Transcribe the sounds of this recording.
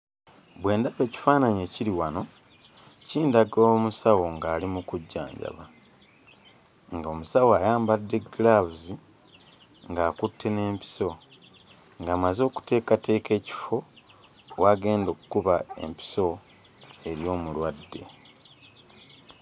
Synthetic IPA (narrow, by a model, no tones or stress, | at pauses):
βwe̞ːndaβe̞ːci̥faːnaɲeciɾiwano̞ | ciːndaɡomusawo̞ŋɡaːlimukuɟːa̰ːɲɟa̰βa | ŋɡo̞musawajaːmbadːeɡlaβuzi | ŋɡaːkutːe̞ne̞ːmpi̥so̞ | ŋɡaːmazo̞ːku̥te̞ːkate̞ːke̞ːci̥fo̞ | waɡe̞ːndokukuβae̞̰mpi̥so̞ | e̞ɾjo̞ːmulwadːe̞̰